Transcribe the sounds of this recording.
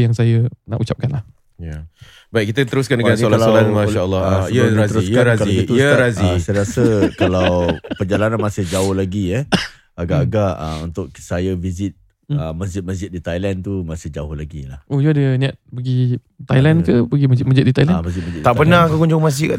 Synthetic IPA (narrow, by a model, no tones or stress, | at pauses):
jaŋsajəna̰ʔut͡ʃap̚kanlah | ja | bait̪̚kit̪ət̪əɾʊskandəɡaolaolanmaʃaəlːɔhaiəɾat̪əɾukaɾazkaliəɾazisajɾasəkalawpərd͡ʒalananmasɪhd͡ʒaʊhlaɡiɛ | aɡaʔaɡaʔə̰unt̪ʊksajəvizɪt̪̚ | əmasd͡ʒɪt̪̚masd͡ʒɪt̪̚dit̪ajlant̪umasɪhd͡ʒaʊhlaɡḭlahʔod͡ʒuadəniat̪̚pəɡi | t̪ajlankəpəɡimad͡ʒɪt̪̚mad͡ʒɪt̪̚dit̪ajlamasd͡ʒiɪt̪maɪt̚dt̪aʔppənakəkuɲd͡ʒʊŋmasɪka